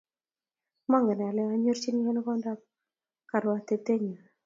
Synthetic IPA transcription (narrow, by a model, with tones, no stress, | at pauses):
ma˦ŋɛ˨nɛ˨a˨lɛ˨a˨ɲo˦ɾt͡ʃi˦n˦ŋɛ˦n˦kɔ˦nda˦p | ka˨ɾwa˨t̪e˨t̪e˦ɲa˨